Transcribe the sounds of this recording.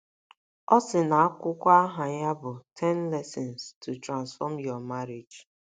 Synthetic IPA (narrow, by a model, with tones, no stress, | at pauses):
ɔ˦sɪ˨na˨a˦kʷʊ˦kʷa˦ɦa˨ɲa˦bʊ˨tʰɛ˦nlɛ˦sɪ˨nstu˨tɾã˨nsfɔ˦mjɔ˨ma˦ɾe˨d͡ʒ